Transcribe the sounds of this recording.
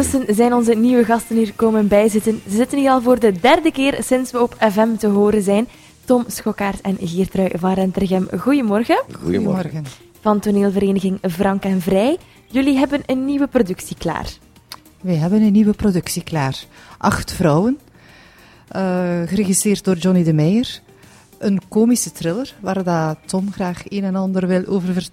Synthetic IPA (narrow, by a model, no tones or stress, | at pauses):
tɵsənzɛjnɔnzəniʋəɣɑstəniːrkoːmənbɛjzɪtənzəzɪtənɦiːɾɑlˠvoːrdədɛrdəkɪːrsɪnsʋəɔpʰɛvɛmtəɦoːɾənzɛjn | tɔmsxɔkaːrtɛnɣiːrtrœɥvɑnrɛntɛrɣɛmɣujəmɔrɣənɔɣən | v̥ɑntoneːlˠvəɾeːnəɣɪŋvrɑŋkɛnvrɛj | jɵliɦɛbənənːiʋəprodɵksikla̰ːr | ʋɛjɦɛbənənːiʋəprodʏksiklaːrʔɑxtfrɔwən | əɣəɾeɣistɾeːrt̚doːrd͡ʒɔnidəmɛjər | ʔənkoːmisətrɪlərʋaːrdaːtɔmɣraːxeːnɛnɑndərʋɪlˠʔoːvərvər